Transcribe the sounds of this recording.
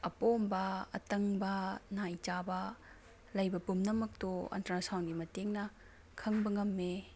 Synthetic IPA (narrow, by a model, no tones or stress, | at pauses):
ɐpombɐɐ̰tɐŋbɐnajt͡ʃabɐ | lɐjbɐpumnɐmɐk̚toɐ̰ntɾasawnɡimɐteŋnɐ | kʰɐŋbɐŋɐmːe